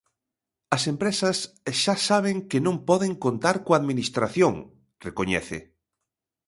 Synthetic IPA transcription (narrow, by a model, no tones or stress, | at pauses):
ɐsempɾesɐs | ʃasaβ̞eŋkɪnõmpɔðeŋkont̪aɾkoaðminist̪ɾaθjoŋ | rekoɲɛ̰θɪ̰